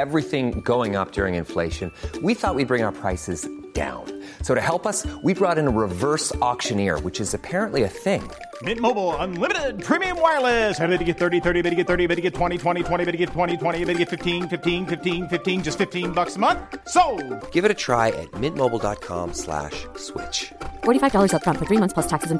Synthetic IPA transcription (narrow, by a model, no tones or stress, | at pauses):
ɛvɹiθɪ̃ŋɡoʊɪ̃ŋʌp̚d̥ʊɹɪ̰̃ŋɨ̃nfleɪʃɨ̃nwiθɔt̚wid̚bɹɪ̃ŋaʊə˞pʰɹ̥aɪsɨzd̥ã̰ʊ̃n | soʊɾɨhɛlˠpʌswibɹɔɾɨ̃nəɹɪvɜ˞sɔkʃɨ̃nɪɹwɨt͡ʃɨzɨpʰɛɹɨ̃nʔliɨθɪ̃ŋ | mɪt̚moʊbl̩ˠə̃nlɪ̃mɨɾɪd̚pʰɹ̥ĩmiɨ̃mwaɪ˞lˠɪsɛɾðeɾɨɡɛt̪̚θɜ˞ɾiθɜ˞ɾiɨbɪɾɨɡɛt̪̚θɜ˞ɾibɪɾɨɡɛtʰw̥ɛ̃ɾ̃itʰw̥ɛ̃ɾ̃itʰw̥ɛ̃ɾ̃iɪɾɨɡɛtʰw̥ɛ̃ɾ̃itʰwɛ̃ɾ̃iɨbɪɾ̚ɨɡɛtfɪftʰĩnfɪftĩnfɪftĩnfɪftĩnd͡ʒʌstfɪftĩnbʌksəmʌ̃nθsoʊɡ̥ɪvɨɾɨtʰɹ̥a̰ɪɨ̰t̚mɪt̚moʊbl̩ˠdɑ̰t̚kʰɑ̰̃mslæ̰ʃswɪ̰t͡ʃfɔɹɾifaɪvdɔlˠə˞zʌp̚kʌ̃nfə˞θɹimʌ̃θspʰlʌstʰæksɨz̃m